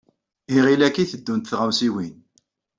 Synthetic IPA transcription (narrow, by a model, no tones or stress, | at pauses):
iʁilækːiθəd̪ːunt̪θʁawsiwin